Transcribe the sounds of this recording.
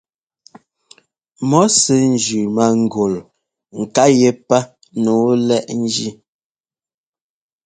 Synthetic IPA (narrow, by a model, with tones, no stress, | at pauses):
mɔ˨˦se˦n̩˨d͡ʒʉ˨ma˨ŋ̩˨ɡo˨l | ŋ̩˨ka˦je˦pa˦ | no˨˦lɛ˦ʔn̩˦d͡ʒi˦